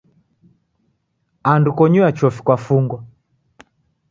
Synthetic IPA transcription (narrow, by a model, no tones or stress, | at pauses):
andukɔɲuat͡ʃɔfi̥kwafuŋɡwa